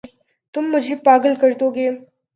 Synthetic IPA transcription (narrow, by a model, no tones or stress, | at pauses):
t̪ʊmːʊd͡ʒʱepaːɡəlkɐɾt̪oːɡeː